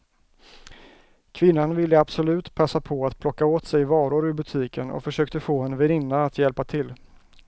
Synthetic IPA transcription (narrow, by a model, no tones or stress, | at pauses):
kʰvɪnːanvɪlːəabsɔlʉ̟ːt̪pʰasːapʰɔat̪pʰlɔkːaoːt̪sɛjvɑːɾʊɾɵɾbɵt̪ʰiːkʰənɔ̰fœʂøːkt̪əfoːɛnvɛɾɪnːaat̪ʰjɛlpat̪ʰɪlː